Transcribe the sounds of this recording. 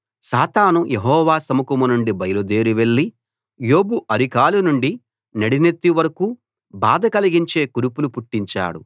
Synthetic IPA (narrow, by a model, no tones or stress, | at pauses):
saːt̪aːnujeɦɔːʋaːsɐmukɐmunuɳɖibɐjɐlud̪eːɾiʋeɭːi | jo̞ːbuʔɐɾikaːlunuɳɖi | nɐɽinet̪ːiʋɐɾɐku | baːd̪ɐkɐliɡiɲt͡ʃe̞ːkuɾupulupuʈːiɲt͡ʃa̰ːɽṵ